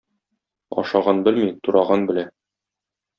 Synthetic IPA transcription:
ɒ̰ʃɑʁɑnbɘlmit̪uɾʔɑʁɑnbɘ̆læ

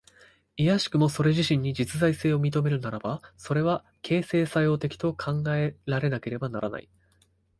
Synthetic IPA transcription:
ijaɕi̥kɯ̟mo̞so̞ɾe̞ʑiɕĩɲ̟ːid͡ʑit͡sɨzaise̞ːo̞mʲit̪̬o̞me̞ɾɯ̟naɾabaso̞ɾe̞β̞a | kʰe̞ːse̞ːsajo̞ːt̪e̞kʲi̥t̪o̞kʰãŋɡae̞ɾaɾe̞nake̞ɾe̞banaɾa̰na̰ḭ

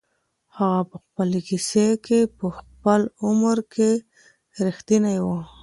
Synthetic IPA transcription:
haɣapəxpəlekisekʰepəxpəlʊmɾkʰe | ɾixt̪inajwə

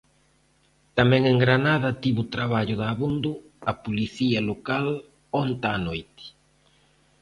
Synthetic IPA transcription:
t̪amɛ̃ŋeŋɡɾanaðɐt̪iβʊt̪ɾaβaʎʊðaβund̪ʊ | ɐpuliθiɐlokal | ont̪aːnojt̪ɪ̥

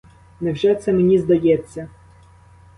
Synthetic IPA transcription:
nɛwʒɛt̪sɛmenʲizd̪ɐjɛt͡sʲːɐ

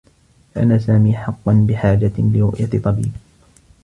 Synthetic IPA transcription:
ʔa̰nːaːsaːmiːħɑqːɑnbɪħaːd͡ʒalɪɾʊ̰ʔjat̪ˤːɑbḭːb

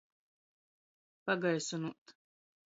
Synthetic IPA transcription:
paɡajsunuʔt̪

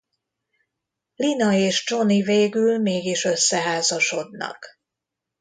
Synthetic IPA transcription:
linɒeːʃt͡ʃo̞niveːɡylmeːɡiʃø̞sːɛɦaːzɒʃo̞d̪nɒ̰k

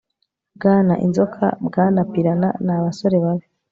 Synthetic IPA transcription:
bɡaːna̰ʔḭnzo̞kʰa̰bɡaːnapiɾana̰naβaso̞ɾe̞βaβe

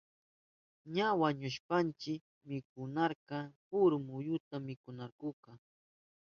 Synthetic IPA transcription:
ɲawaɲʊʃpant͡ʃɪk | mɪkʊnɑɾkɑpʊɾmʊjʊt̪amːɪkʊnaɾkʊkɑ

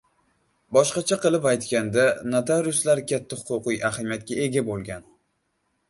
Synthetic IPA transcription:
bɒʃqɑt͡ʃʰaqɨlˠɪpajt̪kʲand̪anat̪ʰaɾʊslaɾkʲat̪ʰːahʊ̥qʊqɨjʔahamijat̪̚kʲae̞ɡʲabolˠɡʲan

